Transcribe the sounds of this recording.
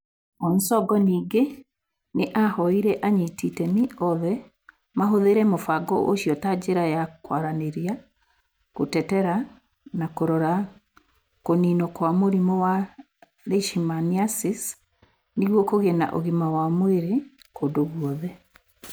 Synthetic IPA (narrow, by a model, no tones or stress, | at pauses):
ɔnsɔɡɔniːɡe | neʔahɔiɾɛʔaɲititɛmiɔðɛ | maɦoðeɾɛmofaɡɔʔo̰ɕjɔtad͡ʑeɾajakwaɾaneɾia | kotɛtɛɾa | nakoɾɔɾa | koninɔkwamoɾimɔwa | ɾeʃimaniasis | niɣwɔkoɣena̰ʔo̰ɣimawamweɾekodoɣwɔðɛ